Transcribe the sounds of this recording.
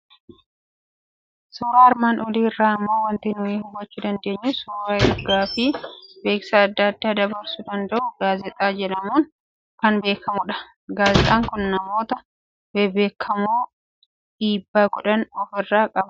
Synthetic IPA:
soːɾaːɐɾmaːnʔɔliːɪrːaːɐmːoːwɐnt̪inʊiːhʊbːɐt͡ʃːʊd̪ɐnd̪e̞ːɲːʊsuːɾaːɪɡaːfɪbe̞ːksaːd̪ːɐːd̪ːaːd̪ɐbɐɾsʊd̪ɐnd̪ɐʔʊɡaːzɛt̪ʼaːd͡ʒɛᶑɐmuːn | kɐnbe̞ːkɐmʊᶑɐ̥ | ɡaːzɛt̪ʼaːŋkʊnnɐmo̞ːt̪ɐ | bɛbe̞ːkʰːɐmoː | ᶑiːbːaːɡɔᶑɐnɔfɪrːaːkʼɐb

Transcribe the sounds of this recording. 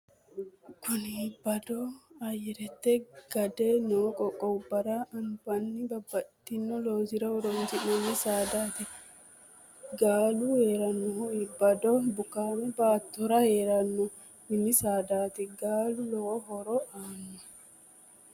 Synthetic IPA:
kʰʊnibɐd̪ɔɐjɛɾɛt̪ːɛɡ̥ɐd̪ɛnoːkʼɔkʼɔbɐɾaʔɐmbɐnːɪbɐbːɐt̪ːɪnːɔloːzɪɾɐɔɾɔntinːɔnːisaːd̪aːt̪ɛ | ɡaːluheːɾɐnːɔɦɔɪbːɐd̪ɔbʊkaːmɛbaːt̪ːɔɾɐheːɾɐnːɔ | mɪnːisaːd̪aːt̪ɛɡaːlulɔɦɔɾɔʔaːnːɔ

